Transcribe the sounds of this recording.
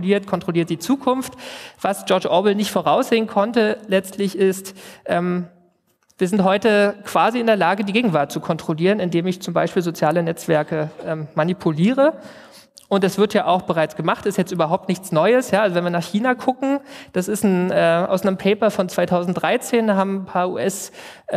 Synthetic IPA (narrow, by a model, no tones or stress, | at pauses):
liːɐtkʰɔntʁ̥oliɐt̚d̥iːt͡suːkʰʊnftv̥asʒ̥ɔɐd͡ʒʔɔːbl̩nɪçtfoːʁaʊsz̥eːənkʰɔntəlɛt͡stʰlɪçɪstʔɛːm | v̥iːɐzɪntɦɔʏtəkv̥aːziɪndeːɐlaːɡədiːɡeːɡŋ̩vaɐt̚t͡sukʰɔntʁ̥oliːʁənɪndeːmɪçt͡sʊmbaɪʃpiːlzot͡sjaːlənɛt͡sv̥ɛɐkəʔɛːmːanipʰuliːʁə | ʔʊnt̚d̥asv̥ɪɐtjaːʔaʊxb̥əʁaɪt͡sɡ̥əmaχtɪstjɛt͡stʔyːbɐɦaʊp̚tnɪçt͡snɔʏəsjaːʔalzovɛnviːɐnaːχçiːnakʰʊkŋ̩d̥asɪstn̩ʔɛːʔa̰ʊsʔnəmpʰɛɪpɐfɔnt͡sv̥aɪtʰaʊzn̩t̚d̥ʁaɪt͡seːndahaːbm̩pʰaːɐʔṵːʔɛs